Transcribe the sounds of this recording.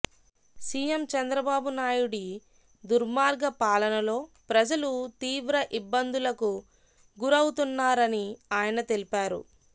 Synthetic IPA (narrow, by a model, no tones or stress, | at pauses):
siːjemt͡ʃɐnd̪ɾɐbaːbunaːjuɽi | d̪uɾmaːɾɡɐpaːlɐnɐlo̞ːpɾɐd͡ʒɐlut̪iːʋɾɐʔibːɐnd̪ulɐku | ɡuɾɐwut̪unːaːɾɐniaːjɐnɐt̪e̞lipaːɾṵ